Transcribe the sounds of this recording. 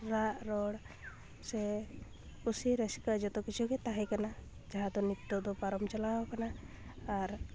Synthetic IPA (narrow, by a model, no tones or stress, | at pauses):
ɾaʔɾɔɽ | sɛ | usiɾɛskad͡ʒɔt̪ɔkit͡ʃʰukɛt̪aɦɛkanad͡ʒaɦãd̪ɔnit̪ːɔd̪ɔpaɾɔmt͡ʃalaɔkanaː | ɾ